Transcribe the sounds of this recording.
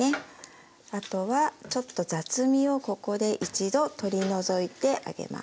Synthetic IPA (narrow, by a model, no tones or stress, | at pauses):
e | at̪o̞βat͡ɕo̞t̪ːo̞zat͡sɨmʲio̞ko̞ko̞d̪e̞ʔit͡ɕid̪o̞t̪o̞ɾʲino̞zo̞it̪e̞ʔa̰ɡe̞̰ma̰